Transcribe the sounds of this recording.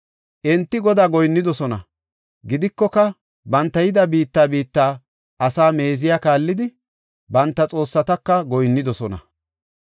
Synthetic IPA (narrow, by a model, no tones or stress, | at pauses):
ʔɛnt̪ːɪɡɔd̪aːɡɔjnːɪd̪ɔsɔnɐ | ɡɪd̪ɪkːɔkɐ | bɐnt̪ːɐjɪd̪ɐbiːt̪ːaːbiːt̪ːaː | ʔɐsaːme̞ːzɪjaːkaːlːɪd̪ɪ | bɐnt̪ːɐt͡sʼo̞ːsːɐt̪ɐkːɐɡɔjnːɪd̪ɔsɔnɐ̰